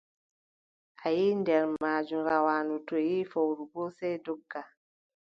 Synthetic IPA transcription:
ʔajiːndɛɾmaːd͡ʒuɾawaːnutɔjiːfowɾubɔsɛdɔɡːa

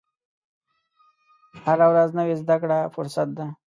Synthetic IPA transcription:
haɾawɾaznəwezd̪akɽafʊɾsat̪̚d̪a

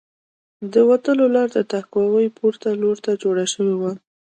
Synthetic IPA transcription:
d̪əwat̪əlolɑɾd̪ət̪akwɑwəjpuɾt̪aloɾt̪ad͡ʒoɽaʃəwiwa

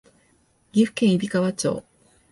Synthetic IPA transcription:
ɡʲiɸɯ̟̥kẽɰ̃ibʲikaβat͡ɕo̰ː

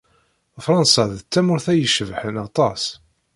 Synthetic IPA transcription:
fɾˤɑnsæðət͡sːæmʊɾθæjəʃəvħənɑt̪ˤɑs

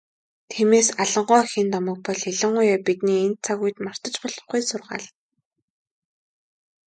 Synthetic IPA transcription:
t̪ʰemeːsaɮɞ̆ɴɢɔːxiːnt̪ɔmə̆k̚pɔɮxiɮɪ̆ɴɢʊjaːpit̪niːent̪̚t͡sʰaɣuj̆t̪mar̥t̪ə̆t͡ɕpɔɮɞ̆χɡujsʊrʁa̰ːɮ

